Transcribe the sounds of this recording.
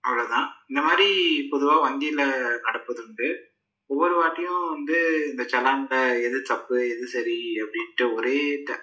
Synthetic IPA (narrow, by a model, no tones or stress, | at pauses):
ɐ̰ʋːɐɭoːt̪ãːɪnd̪ɐmaːd̪ɾipɔðɯʋaːʋɐŋɡ̪iːlɐnɐɽɐpːɐðɯɳɖɯ | ɔʋːɔɾɯʋaːʈːɐjʊ̃ʋɐnd̪ɯɪnd̪ɐt͡ʃɐlaːŋɽɐɛðɯt̪ɐpːɯɛðɯsɐɾiɐpːɐɽɪnʈːɯɔɾeːt̪ɐ